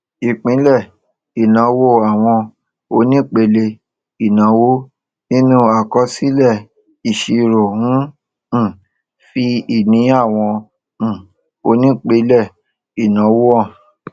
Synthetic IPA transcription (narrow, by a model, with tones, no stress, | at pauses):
i˨k͡pĩ˨˦lɛ˦˨ | i˨nã˨˦wo˦˨a˨w̃ɔ̃˧ | o˧˦nĩ˦k͡pe˧le˧ | i˨nã˨˦wo˦ | nĩ˦nũ˦a˨kɔ˧si˦lɛ˦˨ | i˨ʃi˧ɾo˨hũ˦˨ | fi˧i˨nĩ˨˦a˦˨w̃ɔ̃˧˦˨ | o˧˦nĩ˦k͡pe˨˧˦lɛ˦˨ | i˨nã˨˦wo˦ɔ˦˨